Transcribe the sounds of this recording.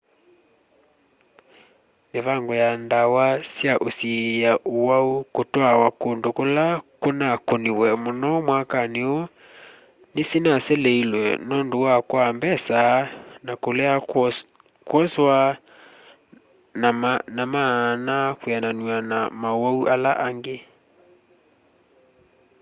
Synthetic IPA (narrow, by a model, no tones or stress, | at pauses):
meβaŋɡɔjandawasjaʔosijaʔowaukotwawakondokolakonakoniwɛmonɔmwakaneo | nesinasɛleilwɛ̰nɔndowakwambɛsanakolɛa | kwɔswa | nanamanakwananuanamaowauʔalaʔaŋɡe